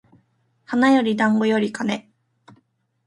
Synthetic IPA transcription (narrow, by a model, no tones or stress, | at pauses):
hanajo̞ɾʲid̪ãŋɡo̞jo̞ɾʲikane̞